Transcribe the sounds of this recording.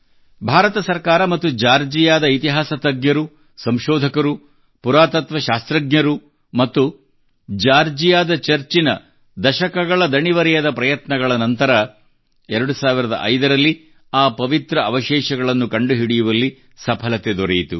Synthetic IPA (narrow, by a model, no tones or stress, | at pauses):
bʱaːɾɐt̪ɐsɐɾkaːɾɐmɐt̪ːud͡ʒaːɾd͡ʒijaːd̪ɐit̪iɦaːsɐt̪ɐɡɲjɐɾu | sɐmʃɔːd̪ʱɐkɐɾu | puɾaːt̪ɐt̪ʋɐʃaːst̪ɾɐɡɲɐɾu | mɐt̪ːu | d͡ʒaːɾd͡ʒijaːd̪ɐt͡ʃɐɾt͡ʃinɐ | d̪ɐʃɐkɐɡɐɭɐd̪ɐɳiʋɐɾijɐd̪ɐpɾɐjɐt̪nɐɡɐɭɐnɐnt̪ɐɾɐ | ɛɾɐɽusaːʋiɾɐd̪ɐ̰ʔɐjd̪ɐɾɐlːi | aːpɐʋit̪ɾɐɐʋɐʃɛːʃɐɡɐɭɐnːukɐɳɖuɦiɽijuʋɐlːi | sɐpʰɐlɐt̪ed̪ɔɾejit̪ṵ